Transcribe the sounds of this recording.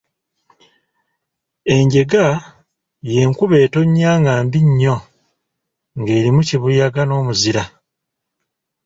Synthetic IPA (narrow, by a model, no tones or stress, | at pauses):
e̞ɲɟe̞ɡa | je̞ːŋkuβe̞ːto̞ɲːaːŋɡaːmbiɲːo̞ | ŋɡe̞ːɾimuciβujaɡano̞ːmuziɾa